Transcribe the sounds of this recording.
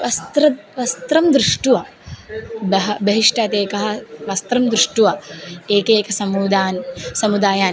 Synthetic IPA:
ʋɐst̪ɾɐʋɐst̪ɾɐmd̪ɾuʂʈuʋɐ | bɐɦɐbɐɦiʂʈaːt̪eːkɐɦɐ̆ʋɐst̪ɾɐmd̪ɾuʂʈuʋɐeːkeːkɐsɐmuːd̪aːnsɐmud̪aːjaːn

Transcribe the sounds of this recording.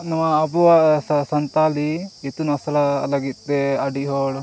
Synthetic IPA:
nɐʋɐːbuʋɐsɐsɐnt̪aːliit̪ːunɐsɐlɐlɐɡit̪ːeɐɖiɦoːɽ

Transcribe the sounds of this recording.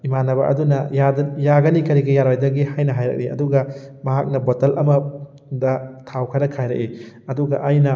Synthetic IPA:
imanɐβɐʔɐ̰dunɐjadjaɡɐnikɐɾiɡɐjaɾojdɐɡihajnɐɦajɾɐ̰k̚iɐ̰duɡɐmɐɦak̚nɐbotɐlʔɐmɐ | dɐtʰawkʰɐɾɐkʰajɾɐ̰ʔi | ɐduɡɐʔajnɐ

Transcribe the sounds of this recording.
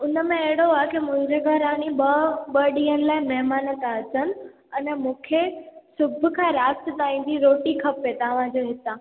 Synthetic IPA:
ʊnəmẽɐɦɪɽoaːɦkimʊ̃ɦɪ̃ɲd͡ʑeɡʱɐɾaːniɓəɓəɗiːənɪ̆laːɪmɛɦmaːnət̪asənɪ̆ | ɛnɛmũːkʰesʊbʱʊ̆kʰãːɾaːst̪t̪aːĩːn̆d̪iɾoːʈikʰɐpet̪ɐʋ̤ãd͡ʑoɦɪt̪aː

